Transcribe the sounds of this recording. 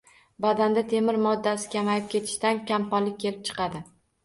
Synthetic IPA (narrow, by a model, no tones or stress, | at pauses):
bad̪and̪at̪ʰe̞mɪɾmɒd̪ːasɪ̥kʲʰamajɪp̚kʲe̞t̪ʰɪ̥ʃt̪ankʲampɒnlɪk̚ʲʰːe̞lɪp̚t͡ʃʰɨ̥qɑd̪ɪ